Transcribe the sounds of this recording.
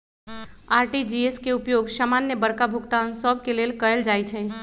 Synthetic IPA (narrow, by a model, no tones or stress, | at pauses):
aːɾʈid͡ʒieskeupjoːɡsaːmanjəbəɽkabʱʊkt̪ansəb̚keleːlkəəld͡ʒaːjt͡ʃʰɛ